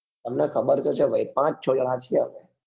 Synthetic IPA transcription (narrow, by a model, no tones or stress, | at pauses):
t̪əmnekʰəbəɾt̪ot͡ʃʰeʋəipãt͡ʃt͡ʃʰod͡ʒəɭat͡ʃʰieɦə̰ʋe